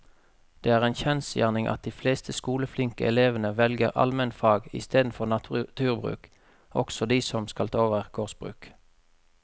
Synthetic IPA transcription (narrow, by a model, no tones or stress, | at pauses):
d̪̥eːæːʁeːnçɛnsjæ̰ːʁnɪŋʔɑ̰t̪̚d̪iːfleːst̪ʰəskuːləflɪŋkəʔɛleːʋənəʋɛlɡəʁɑ̰lmɛnfɑːɡɪ̰st̪eːd̪n̩fɔʁnɑt̪ʰʉːʁbʁʉ̰ːk | ʔɔksɔd̪iːsɔmskɑlt̪ʰoːʋəʁɡʰoːʁsb̥ʁʉ̰ːk